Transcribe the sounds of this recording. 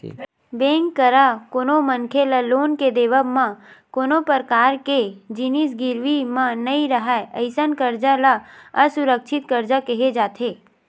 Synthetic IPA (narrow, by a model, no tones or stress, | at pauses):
bẽːŋkːəɾakoːnomənkʰeləloːnked̪eːʋəmãkoːnopəɾkaːɾked͡ʒinisɡɪɾʋimãnɐiɾəɦaeʔəɪsənkəɾd͡ʒalaəsʊɾəkʃʰɪt̪kəɾd͡ʒakəɦed͡ʒaːt̪ʰeː